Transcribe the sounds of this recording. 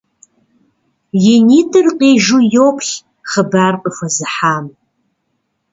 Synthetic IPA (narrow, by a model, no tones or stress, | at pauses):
jeniːtʰɨrqʼeːʒujopʰɬ | χəbaːrqʼəfɐzɨħaːm